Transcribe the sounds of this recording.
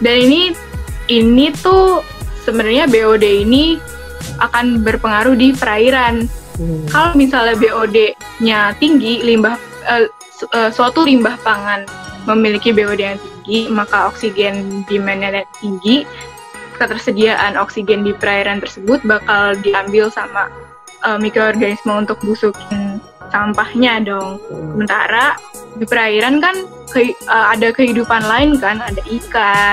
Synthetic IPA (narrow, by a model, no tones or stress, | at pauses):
danini | init̪u | səbənarɲabeodeini | ʔakanbərpəŋaɾuhdipəɾaiɾankalomisalabeʔode | ɲat̪iŋɡilimbah | ə | əsəat̪ulimbahpaŋanməmilikibeodejaŋt̪iŋɡimakaɔksiɡɛndimɛnɛljaŋt̪iŋɡi | kət̪ərsədiaʔanɔksiɡɛndipəɾaiɾant̪ərsəbʊt̪̚bakaldiambɪlsama | ʔəmikɾoɔrɡanismount̪ʊk̚busukɪn | sampahɲadɔŋsəmənt̪a̰ɾadipəɾaiɾankan | kəiəadakəɦidupanlaɪnkanadaʔika